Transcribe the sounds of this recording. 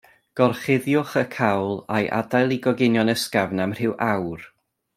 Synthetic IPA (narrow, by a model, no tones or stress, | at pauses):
ɡ̥ɔrχɪðjʊχəkʰawlˠajʔa̰dajlˠiɡɔɡɪnjɔnəskavnamr̥ɪwʔawr